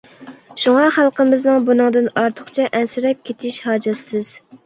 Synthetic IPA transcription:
ʃuŋɑχælˠqəmɪznɨŋbunɨŋd̪ɨnɑɾt̪ʰʊχt͡ʃʰɛʔɛnsɪɾɛp̚kʲʰet̪ʰɪʃhɑːd͡ʒɛsɨz̥

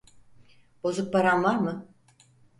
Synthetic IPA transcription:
b̥o̞zuk̚paɾanlˠaɾmɯ

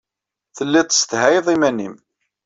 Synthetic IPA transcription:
θəlːɪt̪ˤːəst̪hæjðˤimænːim

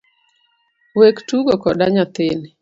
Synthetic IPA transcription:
wektuɡokɔdaɲat̪ɪn

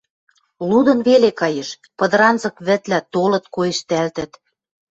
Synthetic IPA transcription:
lud̪ɤ̆nβelekɑjĕʃ | pɤ̆d̪ɤ̆ɾɑnzɤ̆kβɘ̆t̪læt̪olɤ̆t̪̚kojĕʃt̪ælt̪ə̆t̪

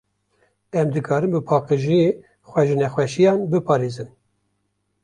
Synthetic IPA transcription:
ɛmd̪ɨkʰɑːɾɨmbɨpʰɑːqɨʒije | xʷɛʒɨnɛxʷwɛʃijɑːnbɨpʰɑːɾeːzɨn

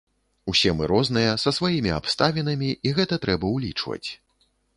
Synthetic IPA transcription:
usʲɛmɨɾɔznɨjɐsɐsvajimʲia̰pst̪avʲinɐmʲiiɣɛt̪ɐt̪ɾɛbɐuwlʲit͡ʂvɐ̰t͡sʲ

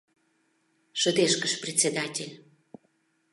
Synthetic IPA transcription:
ʃəd̪eʃkəʃprʲet͡sʲed̪ɑtʲelʲ

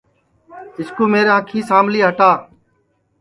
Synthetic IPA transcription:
ɪskoːmeːɾãːkʰĩːsaːmliːɦəʈaː

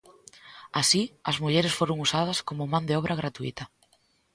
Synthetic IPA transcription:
asiɐzmuʎeɾɪsfoɾoŋusað̞ɐskomʊmãnd̪ɪɔβ̞ɾʔɐɣ̞ɾat̪uḭt̪ɐ

